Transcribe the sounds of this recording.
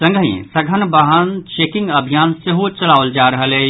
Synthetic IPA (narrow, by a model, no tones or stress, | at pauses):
sə̃ŋɡʱəiḛ̃sɐɡʱənbaɦənt͡ʃeːkɪ̃ŋɡɐbʱijaːnseɦut͡ʃɐlaːʋəld͡ʒaːɾɐɦəleː